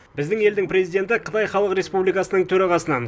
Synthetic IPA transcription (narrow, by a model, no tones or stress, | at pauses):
bɪzd̪ɪŋe̞ld̪ɪŋpɾe̞zijd̪e̞nt̪ɪqʰə̥t̪ɑjχɑlˠəqɾe̞spublijkɑsənəɴt̪ʰɵɾɑʁɑsənɑn